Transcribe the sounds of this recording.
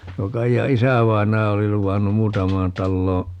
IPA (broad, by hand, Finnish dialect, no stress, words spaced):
tuo kɑijɑ isæˑʋɑinˑɑjɑ oli luʋɑnːum muːtɑmˑɑːn tɑlːoː